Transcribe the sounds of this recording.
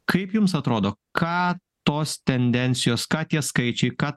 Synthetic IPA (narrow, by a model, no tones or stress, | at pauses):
kɐɪpjʊmsɐt̪ɾoːd̪oːkʰɑː | t̪oːst̪ʲɛnʲd̪ʲɛnʲt̪sʲɪjoːskɑːt̪ʲiɛskɐɪt͡ʃʲɛɪkɑː